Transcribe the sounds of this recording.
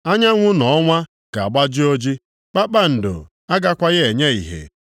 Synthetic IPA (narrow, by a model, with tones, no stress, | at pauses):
a˦ɲa˦ŋʷʊ˦nɔ˨ɔ˦ŋʷa˦ | ka˨a˨ɡ͡ba˦d͡ʒɪ˦o˦d͡ʒi˦ | k͡pa˦k͡pa˦n̩˨do̰˨ | a˦ɡa˦kʷa˦ɣɪ˦e˨ɲe˦i˨ɦḛ˨